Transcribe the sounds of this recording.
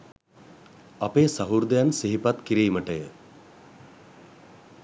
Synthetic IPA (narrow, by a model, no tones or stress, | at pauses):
apeːsaɦuɾd̪əjansiɦipat̪kiɾiːməʈəjə